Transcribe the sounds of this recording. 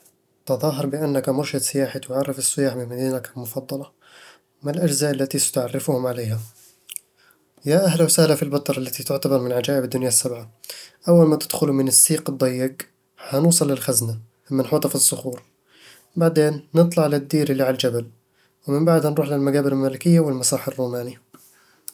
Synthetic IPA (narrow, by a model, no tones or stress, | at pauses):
t̪ɑðˤɑːɦɑɾˤbɪʔanːakamʊɾʃɪd̪sɪjaːħat̪ʊʕɑrˤːɪfɪsːɪjaːħbɪmad̪iːnakalmʊfɑd̪ˤːɑlɑ | mɪnɪlʔad͡ʒzaːʔalːat̪isḁt̪ʊʕarːɪfʊhʊmʕaleːɦa | jaʔaɦlawsahlafilbɑt̪ˤɑɾˤalːat̪it̪ʊʕt̪abɑɾˤmɪnʕad͡ʒaːʔɪbɪd̪ːʊnjasːabʕaʔawːalmaːt̪ɪ̥d̪̥xʊlumɪnɪsːiːqɨd̪ˤːɑjːɪɡ | ħanuːsˤɑlːɪlxazna | mːɪnħuːt̪ˤɑfɪsːʊxuːɾ | baʕd̪eːnːɨt̪ˤlɑʕlɪd̪ːiːɾʔɪlːiʕald͡ʒabal | wɪmɪmbaʕd̪nɾˤuːħlɪlmaɡaːbɪɾɪlmaːlɪkɪjːawɪlmɑsˤɑːħarːuːmaːni